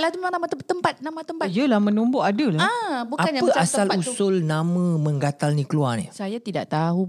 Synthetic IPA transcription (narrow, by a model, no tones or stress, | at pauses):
lat̪uməmaŋnamat̪ət̪əmpat̪̚namat̪əmpajəlahmə̃numboʔadəlahbukaapəasalusʊlnamə̃mə̃ŋɡat̪alnĩkəluarnḭsajat̪ida̰ʔt̪aɦu